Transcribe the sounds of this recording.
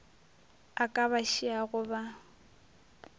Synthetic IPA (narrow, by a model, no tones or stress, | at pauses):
akʼaβaʃiaɣʊba